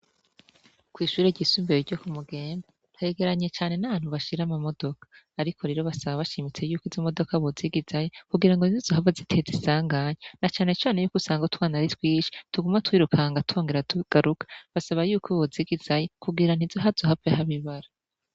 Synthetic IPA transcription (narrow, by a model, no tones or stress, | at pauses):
kwiːʃuːɾeɟiswiːmbeɾiɾɟokumuɡe̞ːmba | n̥haeɡe̞ɾaɲe̞t͡ʃaːne̞naβaːn̥huβaʃiɾamamo̞do̞kḁː | ɾikʰo̞ɾeɾo̞βasaβaβaʃimit͡se̞juːkizomo̞do̞kaβoziɡizajekuɡiɾaŋɡo̞nizizoɦavazitʰe̞zisaːŋɡaɲenat͡ʃaːne̞t͡ʃaːne̞juːkusaːŋɡotwaːnaɾitwiːʃi̥tuɡumatwiːɾukaːŋɡatu̥oːŋɡeɾatuɡ̥aɾukḁβasaβajuːkoβoziɡiz̥ajekuɡiɾan̥izoɦazoɦavehaβiβaɾa